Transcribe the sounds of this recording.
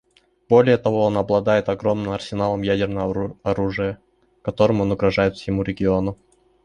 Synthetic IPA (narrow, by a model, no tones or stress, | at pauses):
b̥o̞lʲɪjət̪ɐvo̞onɐblˠɐd̪ajɪt̪ɐɡɾo̞mnɨmɐrsʲɪnalˠəmjædʲɪrnəvəɐɾuʐɨjə | kɐt̪o̞ɾɨmonʊɡɾɐʐajɪt̪fsʲɪmuɾʲɪɡʲɪo̞nʊ